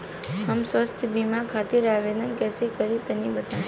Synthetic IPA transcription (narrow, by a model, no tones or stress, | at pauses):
həmsʋəst̪ʰbimãkʰat̪iɾaʋenənkɛsikəɾit̪ənibət̪a